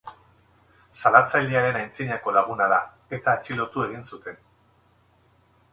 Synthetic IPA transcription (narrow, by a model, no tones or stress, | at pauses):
salat͡sajld̪eaɾe̞najnt͡siɲako̞laɣ̞unaða | e̞t̪aːt͡ʃilo̞t̪ue̞ɣinsut̪e̞n